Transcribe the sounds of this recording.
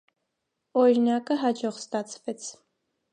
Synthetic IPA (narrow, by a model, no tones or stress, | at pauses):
ɔɾinɑkəɦɑd͡ʒɔχst̪ɑt͡sʰvɛt͡sʰ